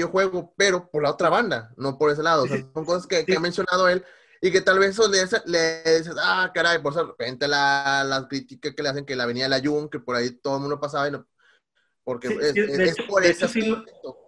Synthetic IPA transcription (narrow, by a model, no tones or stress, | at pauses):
oxwe̞ɣo̞pe̞ɾo̞poɾlao̞t̪ɾaβand̪ano̞po̞ɾe̞s̬e̞laðoːseaoŋko̞saskekeamensjo̞nað̞oe̞l | ike̞t̪alβes̬soleaseleðis̬esakaɾajp̬oɾes̬oerepent̪elalakɾit̪ikaskeleas̬e̞ŋkelaβe̞niaelaʝuŋke̞po̞ɾait̪o̞ðolmũnd̪o̞pas̬aβaino | po̞ɾkeesespoɾesesiet̪o